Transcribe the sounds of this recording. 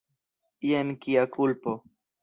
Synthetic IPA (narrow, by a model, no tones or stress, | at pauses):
ienkiakʊlpo